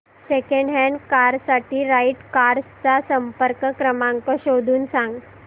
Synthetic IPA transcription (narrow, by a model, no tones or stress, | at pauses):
sekẽɳɖɦɛɳɖkaɾsaʈiːɾaiʈkaɾst͡sasəmpəɾkkɾəmãŋkɔɕod̪ʱuːnsãŋɡ